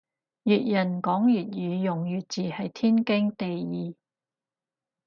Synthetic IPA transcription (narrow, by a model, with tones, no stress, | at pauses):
jyː˨t̚jɐ˨˩nkɔː˨˥ŋjyː˨t̚jyː˨˧jʊ˨˩ŋjyː˨t͡siː˨hɐ˨jt̪ʰiː˥nkɪ˥ŋt̪e˨jiː˨˧